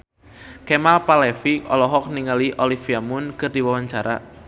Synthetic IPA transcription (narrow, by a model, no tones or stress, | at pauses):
kɛmalpalɛfiɔlɔɦɔk̚niŋaliʔolifiamʊnkɨrdiwawaɲt͡ʃaɾa̰